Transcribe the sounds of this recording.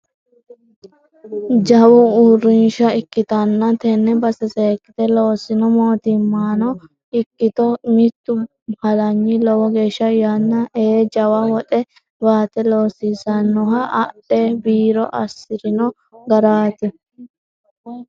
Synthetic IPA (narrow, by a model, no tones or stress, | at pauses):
d͡ʒɐwʊurːɪnʃɐɪkːɪt̪ɐnːɐt̪ɛnːɛbɐsɛseːkːɪt̪ɛloːsɪnɔmoːt̪ɪmːaːnɔ | ɪkːɪt̪ɔmɪt̪ːʊ | hɐlɐɲːɪlɔwɔɡe̞ːʃːɐjɐnːɐeːd͡ʒɐwɐwɔᶑɛ | baːt̪ɛloːsisɐnːɔɦɐʔːɗebiːɾɔʔɐsːɪɾɪnɔ | ɡɐɾaːt̪ɪ